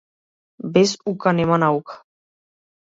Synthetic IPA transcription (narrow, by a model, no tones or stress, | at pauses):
besukanemanawkḁ